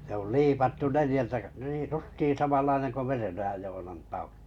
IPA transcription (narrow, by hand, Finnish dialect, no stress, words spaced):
se oli liːpɑtːu nelĭjæltæ k niːj justiː sɑmɑlːɑineŋ ko merenojɑj joːnɑn tɑul̥u̥